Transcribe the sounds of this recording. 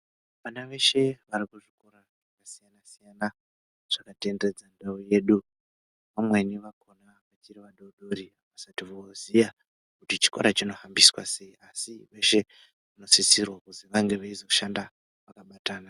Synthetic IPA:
ʋanaʋe̞ʃe̞ʋaɾikuʐiko̞ɾa | ʐakasijanasijana | ʐ̥akate̞nde̞d͡zandauje̞ːɗu | ʋamwe̞niʋakʰo̞na | ʋat͡ʃiriʋaɗo̞ɗo̞ɾiaʋasatiʋoozija | kutit͡ʃi̥ko̰ɾat͡ʃino̞hambiswa̰se̞iasiʋe̞ʃe̞ | ʋano̞sisirwakuziʋaŋɡe̞ʋaizoʃanda | ʋakaɓataːna

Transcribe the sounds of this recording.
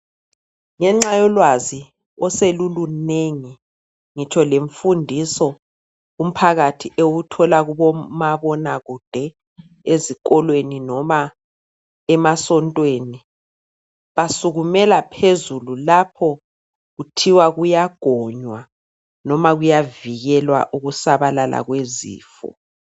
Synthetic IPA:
ŋɛŋ͡ǁajɔlwazi | ɔseluluneŋi | ŋit͡ʃʰɔleɱfundʱisɔ | um̩pʰaɣatʰiʔewutʰɔlaɣuβɔmaβɔnaɣud̥ʱɛ | ezik̬ʼɔlweninɔma | ɛmasɔntʼweːni | βasuɣumɛlapʰezululapʰɔ | ɣutʰiwaɣujaɡ̥ʱɔɲwa | nɔmaɣujaviɣɛlwa̰ʔuɣusaβalalʔa̰ɣwezḭːfɔ̰

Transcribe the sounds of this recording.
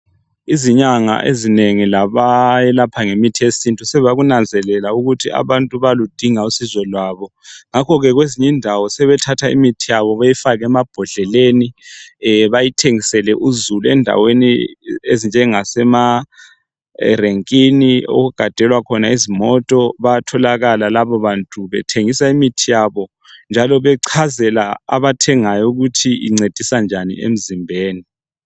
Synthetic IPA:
iziɲaŋa̰ʔezineŋilaβajɛlapʰaŋemitʰesintʼusɛβaɣunand͡zʱɛlɛlauɣutʰia̰βantʼuβalud̥ʱiŋausizɔlwaːβɔ | ŋakʰɔɣɛɣweziɲindʱawɔsɛβɛtʰatʰaḭmitʰijaβɔβajifaɣɛmab̥ʱɔɮɛleːni | βajitʰeŋisɛlɛʔuzuluɛndʱa̰weniezind͡ʒʱɛŋasɛma | reŋkʼinio̰ɣuɡ̥ʱad̥ʱɛlwakʰɔnaizimɔtʼɔβatʰɔlaɣalalaβɔβantʼuβɛ̰tʰeŋisaimitʰijaβɔ | nd͡ʒʱalɔβɛǀʰazɛlaa̰βatʰɛŋajɔuɣutʰiḭŋ͡ǀed̥ʱisand͡ʒʱanḭḛm̩zimbʱeːni

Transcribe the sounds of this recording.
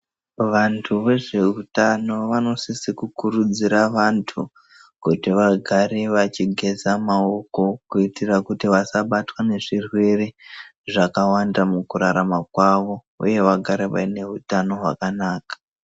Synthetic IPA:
ʋantʰuʋe̞ʐe̞utano̞ʋano̞sisikukurud͡ziɾaʋantʰu | kutiʋaɡʱaɾeʋat͡ʃiɡʱe̞zamao̞ko̞kuitirakutiʋasaɓatwane̞ʐirwe̞reʐakawandamukuɾaɾamakwaʋo̞ | uje̞ʋaɡʱaɾeʋa̰ine̞utano̞ɦwa̰kanaːkḁ

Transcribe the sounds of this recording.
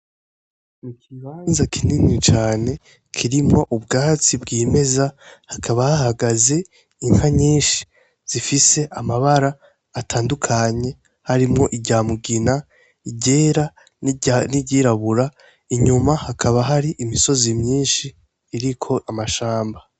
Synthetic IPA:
mukiβaːnzakʰininit͡ʃaːne̞ | kʰiɾimŋo̞ʔubɡaːt͡sibɡiːme̞zahakʰaβahahaɡaze̞ | iŋ̥haɲiːnʃi̥ | z̥ifise̞ʔamaβaɾaː | tʰaːndukʰaɲe̞ | haɾimŋo̞ʔiɟaːmuɡina | iɟeːɾa | niɟiːɾaβuɾa | iɲumahakʰaβaɦaɾiʔimiso̞zimɲiːnʃiː | ɾikʰo̞ʔamaʃaːmba

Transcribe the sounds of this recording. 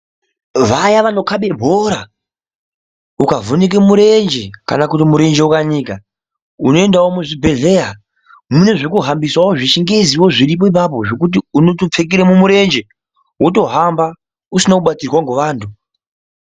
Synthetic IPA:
ʋajaʋano̞kaɓe̞bʱoɾa | ukavʱonik̬emuɾe̞nd͡ʒe̞ka̰nakutimuɾe̞nd͡ʒeukanika | uno̞e̞ndawomuʐibʱe̞ɮe̞ːja | mune̞ʐekuɦambiswawoʐit͡ʃiŋɡe̞ziwo̞ʐirip̬o̞ip̬ap̬o̞ʐo̞kut̬iuno̞top͡fek̬iɾemumuɾe̞nd͡ʒe | wuto̞ɦamba | usinokuɓatirwaŋɡoʋaːntʰu

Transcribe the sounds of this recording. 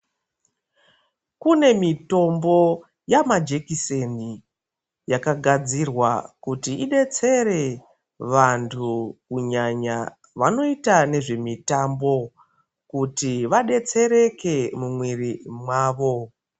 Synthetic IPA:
kune̞mito̞mbo̞ | jamad͡ʒe̞kiseni | jakaɡʱad͡zirwakutiiɗe̞t͡se̞re̞ | ʋantʰukuɲaɲa | ʋano̞itane̞ʐe̞mitambo̞ | kutiʋaɗe̞t͡se̞ɾe̞ke̞mumwirimwaːʋo̞

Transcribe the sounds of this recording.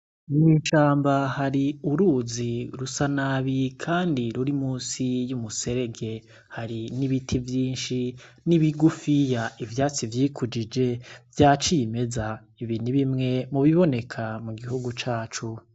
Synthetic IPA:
uŋiːʃaːmbahaɾiuɾuːziɾusanaβikʰaːndiɾuɾimuːsijumuse̞ɾe̞ɡe̞ | haɾiniβitʰivjiːnʃi | niβiɡufijaivjaːt͡sivjiːkʰud͡ʒid͡ʒe̞vjaːt͡ʃime̞za | iβiːniβimŋe̞muβiβo̞ne̞kʰamuɡihuɡut͡ʃaːt͡ʃu

